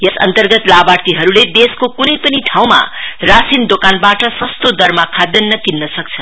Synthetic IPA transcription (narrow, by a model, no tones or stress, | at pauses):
jʌsʌ̰nt̪ʌrɡʌt̪labart̪iɦʌɾuled̪eskokunʌjpʌniʈʰaw̃ma̰rasind̪okanbaʈʌsʌst̪od̪ʌrmakʰad̪ːʌnːʌkinːʌsʌk̚t͡sʰʌn